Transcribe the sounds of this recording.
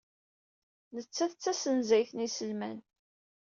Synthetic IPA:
nət͡sːæθət͡sːæsənzæjθənisəlmæn

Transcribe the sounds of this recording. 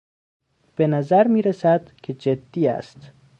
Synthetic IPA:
b̥enæzæɾmiːɾesæd̪̥kʰed͡ʒed̪ːiːæ̰st̪

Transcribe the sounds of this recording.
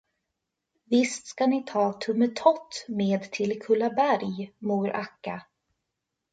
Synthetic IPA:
vɪst̪skanɪt̪ʰɑːt̪ʰɵmːət̪ʰɔt̪ːmeːd̪t̪ʰɪlkʰɵlːabæɾjmuːɾʔakːa

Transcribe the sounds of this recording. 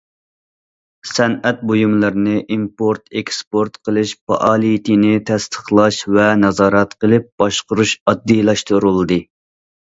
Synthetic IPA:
sɛnɛt̪̚bojumlˠɨɾnɨʔimpoɾt̪ʰekspoɾt̪qʰəlˠɨʃpɑ̰ʔɑːlˠijt̪ʰinɪt̪ʰɛst̪ʰə̥χlˠɑʃvɛnɑzɑːɾɛt̪qəlˠɨp̚b̥ɑʃqʊɾuʃɑd̪ːijlˠɑʃt̪uɾulˠd̪ɨ

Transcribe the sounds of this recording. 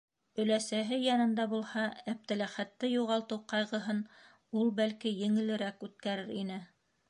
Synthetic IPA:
ɵ̆læsæɦɘjɑnɤ̆nd̪ɑbulˠhɑæp̚t̪ɘ̆læχæt̪ːɘjuʁɑlˠt̪ɤwqɑjʁɤ̆ɦɤn | ulˠbælkijɘ̆ŋɘ̆lɘ̆ɾækʉt̪̚kæɾɘɾinɘ

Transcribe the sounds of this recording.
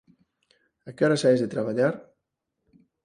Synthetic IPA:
akeoɾasaezðet̪ɾaβ̞aʎaɾ

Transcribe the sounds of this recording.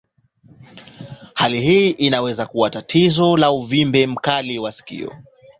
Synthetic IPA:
haliɦiːʔinawɛzakuwatatʰizɔlauvimbɛm̩kaliwasi̥kḭɔ̰

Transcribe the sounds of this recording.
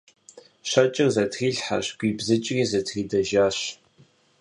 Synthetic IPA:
ɕɐt͡ʃʼɪrzɐtʰriːɮħa̰ɕɡʷiːbzɨt͡ʃʼriːzɐtʰiːdɐʒaːɕ

